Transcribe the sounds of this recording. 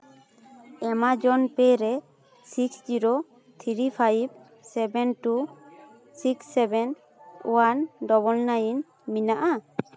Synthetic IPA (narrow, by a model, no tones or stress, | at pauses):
ɛmad͡ʒɔnpɛɾɛ | siksd͡ʒiɾo | t̪ʰiɾipʰajb̚ | sɛbɛnʈu | siksːɛbɛn | wanɖɔbɔlnajn | minaʔa